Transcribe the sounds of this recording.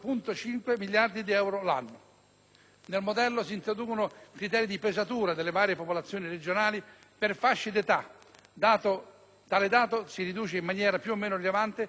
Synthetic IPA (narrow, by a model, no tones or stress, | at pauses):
punt̪ot͡ʃiŋkwemiljard̪id̪iɛwɾola̰nːʊ | nelmod̪ɛlːosiːnt̪ɾod̪uːkonokɾit̪ɛːɾid̪ipezat̪uːɾad̪elːevaːɾjepopolat̪sːjoːnired͡ʒonaːli | perfaʃːid̪et̪a | d̪at̪o | t̪aːled̪aːt̪osiɾid̪uːt͡ʃeimːanjɛːɾapjuomːeːnorilevant̪ɪ